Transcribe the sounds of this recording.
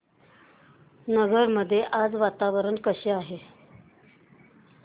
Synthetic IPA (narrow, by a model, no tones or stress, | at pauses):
nəɡəɾməd̪ʱːjeʔad͡zʋat̪aʋəɾəɳkəɕeaɦe